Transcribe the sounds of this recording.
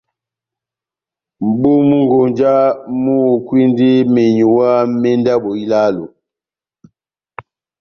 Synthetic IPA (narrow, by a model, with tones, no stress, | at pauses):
m̩˨ɓo˦mu˦ŋɡo˨nd͡ʒa˦mu˦o˨kwi˦ndi˦me˨ɲu˨wa˦mɛ˦nda˦ɓo˨i˦la˦lo̰˨